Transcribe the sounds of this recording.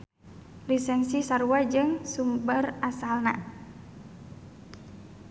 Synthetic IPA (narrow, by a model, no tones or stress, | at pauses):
lisɛnsisaɾuad͡ʒɨŋsumbərasalna̰